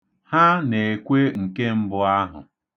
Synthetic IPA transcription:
ha˦ne˨e˨kʷe˦ŋ̩˨ke˦m̩˦bʊ˦a˦ɦʊ̰˨

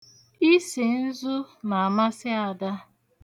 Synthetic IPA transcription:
i˦si˨n̩˦zʊ˦na˨a˨ma˦sɪ˦a˨da˦

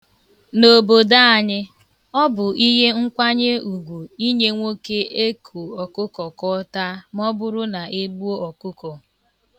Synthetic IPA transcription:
no˨bo˨da˦a˨ɲɪ˦ | ɔ˦bʊ˨i˦ɦe˦ŋ̩˦kʷa˦ɲe˦u˨ɡʷu˨i˦ɲe˦ŋʷo˦ke˦e˦kʰu˨ɔ˨kʊ˦kɔ˨kɔ˦ta˦mɔ˦bʊ˦ɾʊ˦na˨e˦ɡ͡bu˦o˦ɔ˨kʊ˦kɔ˨

